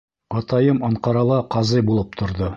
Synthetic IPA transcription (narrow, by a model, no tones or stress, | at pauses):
ɑt̪ɑjɤmɑɴqɑɾɑlˠɑqɑzɤjbulˠɤp̚t̪ʰŏɾðo